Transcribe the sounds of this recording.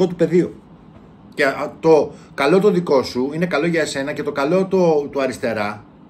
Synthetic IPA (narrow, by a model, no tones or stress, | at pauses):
ot̪upe̞ðio | cet̪o̞ | kɐlo̞t̪oðiko̞suine̞kɐlo̞ʝɐese̞nɐce̞t̪o̞kɐlo̞t̪ot̪uɐɾist̪e̞ɾɐ